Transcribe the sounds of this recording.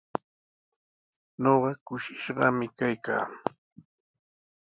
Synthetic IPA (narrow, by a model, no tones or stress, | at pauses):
ɲoɢɑkʊʃɪʃɢɑmɪkajka̰ː